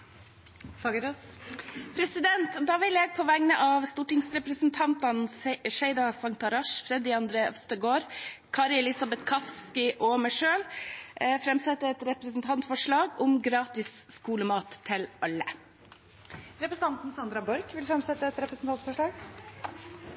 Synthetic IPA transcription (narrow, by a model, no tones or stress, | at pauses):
fɑɡəɾo | pʰɾɛsɪd̪ɛnt̪d̪ɑːʋɪljɛɡ̚pʰɔʋæŋnəʔɑʋst̪uːʈɪŋsɾɛpɾəsnt̪ʰɑnt̪ɑnʂæɪd̪ɑsɑŋt̪ɑɾɑʂfɾɛd̪ɪɑnd̪ɾeːʔœst̪əɡoːɾkʰɑːɾɪɛlɪsɑbɛt̪kʰɑfskɪʔɔmæʂøːl | fɾɛmsɛt̪ːəɛt̪ɾɛpɾəsn̩t̪ʰɑnt̪fɔʂɭɑːɡʊmɡɾɑːt̪ɪs | skuːləmɑːt̪ʰːɪlɑlːə | ɾɛpɾəsn̩ɑnt̪n̩sɑnd̪ɾɑbɔɾkʋɪlfɾɛmsɛt̪ːəɛt̪ɾɛpɾəsn̩t̪ʰɑnt̪fɔʂɭɑːɡ